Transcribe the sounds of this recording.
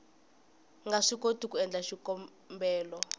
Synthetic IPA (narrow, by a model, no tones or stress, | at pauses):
ŋɡaʂikotʰʼukʼuɛnd͡ɮʱaʃikʼɔ | mbɛːlɔ